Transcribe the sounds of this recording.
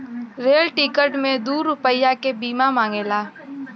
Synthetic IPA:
ɾeːlʈiːkəɾʈmẽd̪uːɾʊpəɪjːakebiːmamãːŋɡeːlaː

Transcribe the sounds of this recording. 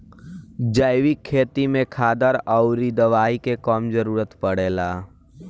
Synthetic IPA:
d͡ʒəjʋikʰːeːt̪imẽkʰaːd̪əɾəʊɾid̪əʋaːikekɔːmd͡ʒəɾuːɾət̪pəɽeːlaː

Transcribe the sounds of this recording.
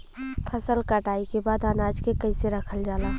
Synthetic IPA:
pʰəsəlkaʈaːikebaːd̪anaːd͡ʒkekəɪseɾəkʰəld͡ʒaːlaː

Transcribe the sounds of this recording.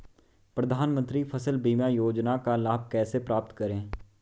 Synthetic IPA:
pɾəd̪ʱaːnmə̃nt̪ɾipʰəsəlbiːmajoːd͡ʒnakalaːb̚kɛːsepɾaːp̚t̪kəɾẽː

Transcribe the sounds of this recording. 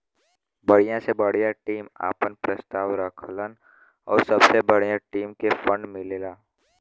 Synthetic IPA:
bəɽ̤ijãsebəɽ̤ijaʈiːma̰ːpənpɾəst̪aːʋɾəkʰlən | ɔ̰ːɾsɐbsebəɽijãʈiːmkefə̃ɳɖmɪleːlaː

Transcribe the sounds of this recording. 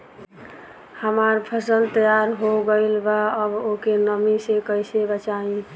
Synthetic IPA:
həmaɾpʰəsəlt̪əjaɾɦoɡəɪlbaəbokenəmisekəɪsebət͡ʃaĩ

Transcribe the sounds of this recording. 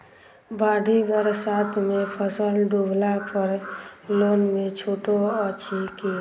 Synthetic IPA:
baːɖʱibəɾsaːt̪ʰmẽpʰəsəlɖublapʰəɾloːnmẽt͡ʃʰoːʈoət͡ʃʰiki

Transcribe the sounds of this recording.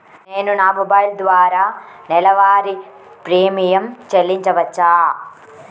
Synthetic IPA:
ne̞ːnunaːmubaːjld̪ʋaːɾaːnɛlɐʋaːɾi | pɾeːmijɐmt͡ʃelːiɲt͡ʃɐʋɐt͡ʃːaː

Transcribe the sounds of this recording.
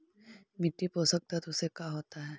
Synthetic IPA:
mɪʈːipoːsək̚t̪at̪ʊsekaɦoːt̪aɦɛː

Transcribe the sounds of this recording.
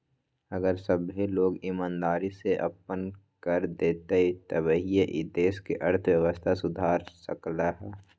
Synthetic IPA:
ɐɡəɾsəbɦiloːɡɪmãːnd̪aːɾiseʔɐ̰pːənkəɾd̪eːt̪eit̪oʋəɦijeʔd̪eːskiʔɐɾt̪ʰwjəʋəst̪ʰasʊd̪ʱaːɾsəklaɦɛː

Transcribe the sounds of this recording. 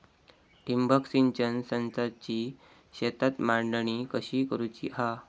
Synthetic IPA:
ʈimbəksint͡ɕənsənsat͡ɕiː | ɕet̪at̪maɳɖəɳikəɕiːkəɾut͡ɕḭːɦa

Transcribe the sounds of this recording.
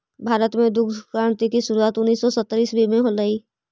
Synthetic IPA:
bʱaːɾət̪mẽd̪ʊk̪ʰkaɳt̪ikiʃʊɾuaːt̪ʊnːiːsːɔsət̪ːɾiːsbʱimẽɦoləiː

